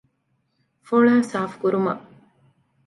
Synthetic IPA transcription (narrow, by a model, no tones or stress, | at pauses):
foɭaːsaːfkuɾumɐ̰ʔ